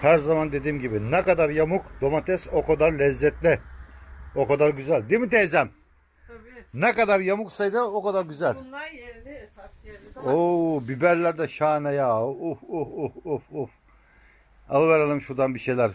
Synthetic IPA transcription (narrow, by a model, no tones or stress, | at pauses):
hæɾzamand̪e̞d̪iːmɟibinɛkad̪aɾjamukd̪̥o̞mat̪ʰɛsokʰad̪aɾlʲɛzːɛt̪lʲɪ | o̞kad̪aɾɟyzælʲd̪imit̪ʰeːzæm | nɛkad̪aɾjamuksajd̪ɯokad̪aɾɟyzælʲ | obibæɾlʲæɾd̪ɛʃaːnajaufuufufuf | alˠɯvɛɾalˠɯmʃuɾd̪anbiʃejlʲæɾ